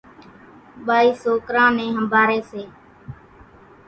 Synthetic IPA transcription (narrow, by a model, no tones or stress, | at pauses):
ɓaːiːsoːkɾãːnẽːɦəmbʱaːɾeːseː